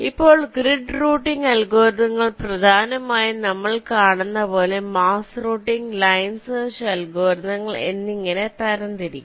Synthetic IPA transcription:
ipːo̞ːɭɡriɖruːʈːiŋɡɐlɡoːɾðɐŋːɐɭprɐd̪ʱaːnɐmaːjɐnɐmːɐɭkaːɳenːɐpo̞ːle̞maːsruːʈːiŋɡlɐjnssɐlɡoːɾðɐŋːɐɭe̞̰nːiŋːɐne̞t̪ɐɾɐnd̪iɾikʲːum

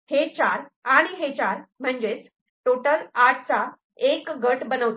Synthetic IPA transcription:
het͡ɕaɾaɽ̃iɦet͡ɕaɾm̤əɳd͡zet͡s | ʈoʈəlaʈ̚ʰt͡sa | ekɡəʈbənəʋt̪

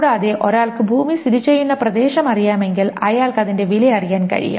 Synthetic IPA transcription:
ɽaːðeʔo̞ɾaːɭkɨbʱuːmissiɾit͡ɕːejːunːɐprɐd̪e̞ːɕɐmɐrijaːme̞ŋɡilɐjaːɭkɨɐðinde̞ʋilɐɐrijaːnkɐ̰ɻḭja̰

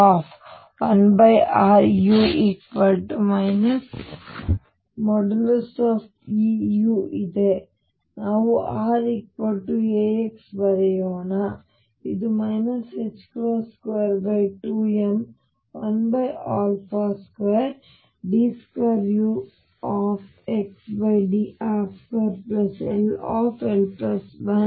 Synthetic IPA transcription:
aːp | ʋɐnbɐjaːɾjuːʔikpɐɾʈmɐjnɐs | mɔɖɐlɐsʈaːp | iːjuːʔid̪e | naːʋuʔaːɾik̚pɐɾʈːueːeksbɐɾɛjoːna | id̪umɐjnɐset͡ʃkɾoːskʋejɐɾbɐjʈuːem | ʋɐnbɐjaːlpʰaːskʋeɐɾ | ɖiːskʋaɾjuː | aːpeksbɐjɖiʔaːpkeːɾplɐsḛlaːpʰelpɐsʋɐn

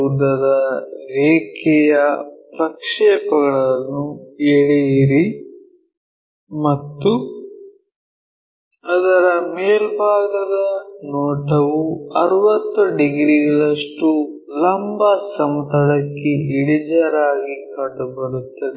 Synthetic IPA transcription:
ud̪ɐd̪ɐɾeːkɛjɐpɾɐkʂɛːpɐɡɐɭɐnːueɭijiɾi | mɐt̪ːu | ɐd̪ɐɾɐmeːlbʱaːɡɐd̪ɐnoːʈɐʋuɐɾʋɐt̪ːuɖiɡɾiɡɐɭɐʂʈu | lɐmbɐsɐmt̪ɐɭɐkːeiɽid͡ʒɐɾaːɡikɐɖubɐɾut̪ːɐd̪e

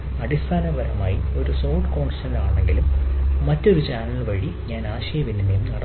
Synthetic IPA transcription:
ɐɽist̪ʰaːnɐbʱɐɾɐ̰maːjio̞ɾusoːʈko̞ːɳʂɐnlaːɳe̞ŋɡilumːɐtːo̞ɾut͡ɕaːnɐlʋɐɻi | ɲaːnaːɕɐjɐʋinːɐnːejumnɐɽɐ

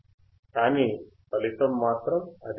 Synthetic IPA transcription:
tanipɐlit̪ɐmːaːt̪ɾɐmɐ̰d̪

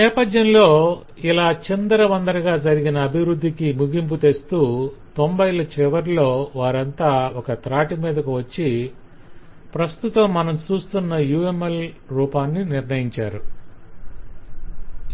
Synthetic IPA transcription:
nɛːpɐd̪jɐnlo̞ː | ilaːt͡ʃind̪ɐɾɐʋɐnd̪ɐɾɐɡaːd͡ʒɐɾiɡinɐːbʱiʋɾud̪ːikimuɡimput̪e̞st̪uːt̪ombɐjlɐt͡ʃɛʋɐɾlo̞ːʋaːɾɐnt̪aːɔkɐt̪ɾaːʈimiːd̪ɐkuʋɐt͡ʃːi | pɾɐst̪ut̪ɐmːɐnɐmt͡ʃuːst̪unːɐjuːemel | ɾuːpaːnːiniɾnɐjiɲt͡ʃaːɾu

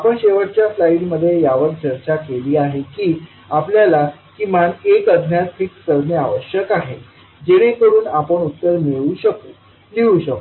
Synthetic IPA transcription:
apəɳɕeʋəʈ̚t͡ɕjaslaiɽməd̪ʱːjejaʋək̚t͡ɕəɾt͡ɕakeliːaɦekiː | apljalakimanekəd̪ʱnjat̪ʈʰiːksəɾmeaʋəɕjəkaɦe | d͡ʑeɽ̃ẽkəɾuːnapəɳut̪ːəɾmeɭuɕəko | liũɕək

